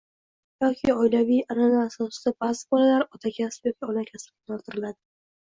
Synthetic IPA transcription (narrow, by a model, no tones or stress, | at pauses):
jɒkʲʰɪɒjlavijananaːsɒsɪd̪̥abazɪbɒlalaɾɒt̪ʰakʲʰaspjɒkʲʰiɒnakʲʰaspk̪ʲɒɾt̪ʰɪɾɪlad̪ɪ